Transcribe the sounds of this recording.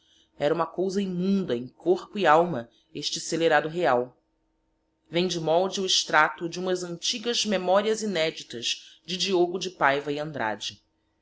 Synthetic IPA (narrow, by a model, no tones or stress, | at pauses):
ɛɾɐũmɐkowzɐimũnd̪ɐẽj̃koɾpʊiawmɐ | eʃt͡ʃɪseleɾad̪ʊɦeaw | vẽj̃d͡ʒɪmɔwd͡ʒɪʊɪʃt̪ɾat̪ʊd͡ʒũmɐzɐ̃nt͡ʃiɡɐzmemɔɾiɐzinɛd͡ʒit̪ɐz̥d͡ʒɪd͡ʒioɡʊd͡ʒɪpajvɐiɐ̃nd̪ɾa̰d͡ʒɪ